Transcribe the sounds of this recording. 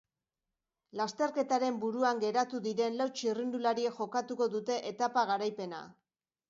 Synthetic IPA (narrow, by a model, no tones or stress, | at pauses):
last̪e̞ɾke̞t̪aɾe̞mbuɾuaŋɡe̞ɾat̪uðiɾe̞nlawt͡ʃirind̪ulaɾiekʝo̞kat̪uko̞ðut̪e̞ʔet̪apaɣaɾajpe̞na̰